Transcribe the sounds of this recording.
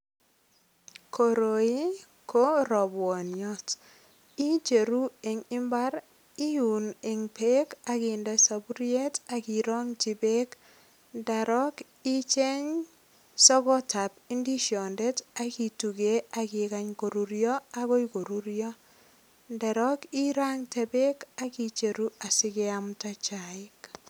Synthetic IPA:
kʰo˨ɾo˨i˦ | kʰo˦ɾɔ˨bwɔ˨njɔ˦t | i˦t͡ʃe˨ɾu˦e˨ŋɪ˦mba˦ɾ | i˦ju˨ne˨ŋpe˦ka˦kɪ˨ndɛ˨sa˨bu˦ɾi˦e˦ta˨ki˨ɾɔ˦ŋt͡ʃi˨be˦k | nda˨ɾɔ˦k | i˦t͡ʃe˦ɲ | sɔ˦ɡɔ˦ta˨pi˦ndi˦ʃɔ˨nde˦ta˦ki˨tu˨ɡe˦a˨kɪ˨ka˦ɲko˨ɾu˨ɾjɔ˦a˦ko˦jko˨ɾuɾjɔ˦ | ndɛ˨ɾɔ˦ki˦ɾa˦ŋtɛ˨be˦ka˦ki˨t͡ʃe˨ɾu˦a˨sɪ˦ɡe˦a˦mta˦t͡ʃa˨ɪ˦k

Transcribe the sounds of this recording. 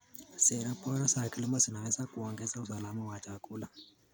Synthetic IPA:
sɛ˨ɾa˦pɔ˦ɾa˦sa˨ki˦li˦ma˦si˨na˨wɛ˦sa˦ku˨ɔ˨ŋɡɛ˦za˦u˨sa˨la˦ma˦wa˨t͡ʃa˨kuː˦la˨

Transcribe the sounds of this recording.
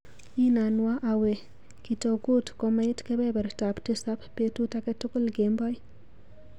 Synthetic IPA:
i˦na˨nwa˦ʔa˨we˨ | ki˨to˨ɡu˦tkɔ˨ma˦ɪ˦tkɛ˦bɛ˦bɛ˨ɾta˨pti˦sa˦ppːe˦tu˦ta˦kɛ˦tʊ˦kʊ˦lɡe˨mbɔ˦j

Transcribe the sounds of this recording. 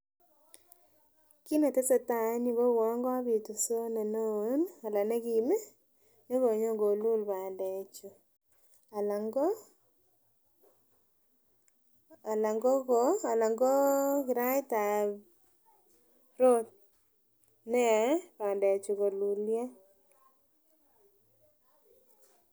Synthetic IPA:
ki˦ne˨te˦se˨ta˨˦ni˨bo˦wɔ˨˦ŋɡwa˦βi˨tu˨so˦ne˨no˦na˨la˨ne˦ki˨me˦ | ne˦ɣo˨ɲo˦ŋɡo˨lu˦lba˨nde˨t͡ʃu˨ | a˨la˨ŋɡɔ˦ | a˨la˨ŋɡo˦koa˨la˨ŋɡo˦kɪ˨ɾa˦jta˨ | ɾo˦t̚ | nɛ˦paː˨nda˨t͡ʃu˨ko˨lu˨lja˦

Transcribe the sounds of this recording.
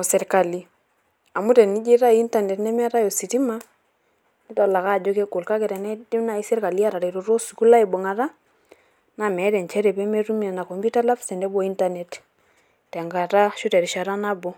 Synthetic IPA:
ɔ˨sɛ˨ɾka˨li˨ | a˨mu˦tɛ˨ni˦d͡ʒi˦ɾa˦i˦nta˦˨ne˨tnɛ˦mɛ˦ɾa˦jo˨si˨ti˦ma˦ | nɪ˦tɔ˨la˨ka˦˨d͡ʒo˦ke˦ɡo˨lka˦kɛ˨ɾɛ˨nɛ˦di˦na˨i˦sɛ˦ɾka˨li˦a˦ɾa˨ɾe˨ɾo˨ɾo˦su˨ku˦la˦i˨bɔ˨ŋa˨ɾa˦ | na˨mɛ˨˦dɛ˨nt͡ʃɛ˦ɾɛ˨pɛ˦me˦ɾu˦mi˦a˨na˨kɔ˨mbi˦ta˦la˦fsɛ˨ndɛ˦bɔ˦i˦nta˦nɛ˨t | tɛ˨ŋɡa˨ta˦ʃu˦tɛ˨ɾi˨ʃa˨ɾa˦na˦bɔ˦

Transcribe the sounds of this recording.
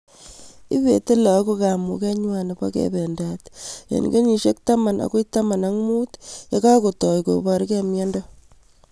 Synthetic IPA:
i˦βe˨te˦la˨˦ko˦ka˨mṵ˨kɛ˦ɲwa˨ne˨pa̰˦kḛbe˨ndatjḛ˨n̰˨ke˦ɲi˨ʃe˦k̚ta˦ma˨nʔa̰˨ko˦ta˦ma˨na˦ŋmu˦tja˦ka˦ko˨tɔ˨jko̰˨ba˨ɾkɛ˦mjɛ˦ndɔ˦

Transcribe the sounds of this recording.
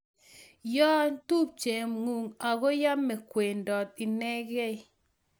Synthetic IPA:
jɔ˦n˦tu˦p̚t͡ʃe˨mŋu˨ŋa˨ɡo˦ja˦mːɛ˨kwe˨ndɔ˨t̪i˨nɛ˦ɡɛ˦˨

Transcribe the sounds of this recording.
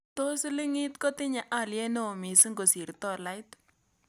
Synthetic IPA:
to˦sɪ˦lɪ˦ŋɪ˦tkɔ˦tɪ˦ɲa˨ʔa˦˨ljɛ˦ne˦o˨mi˨si˦ŋɡo˨si˨ɾtɔ˦˨la˦ɪ˦t

